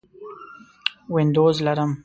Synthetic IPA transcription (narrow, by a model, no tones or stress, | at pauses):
wɪnd̪ozlaɾəm